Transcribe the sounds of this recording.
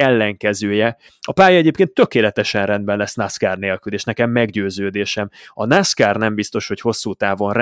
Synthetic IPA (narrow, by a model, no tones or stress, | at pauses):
ɛlːɛŋkɛzøːjɛ | ɒpaːjɒɛɟeːpkeːnt̪ːø̞keːlɛt̪ɛʃɛnrɛnd̪bɛnlɛsnaskaːrneːlkyleːʃnɛkɛmːɛɡɟøːzøːd̪eːʃɛmɒnaskaːrnɛmbist̪o̞ʃho̞cho̞sːuːt̪aːvo̞nr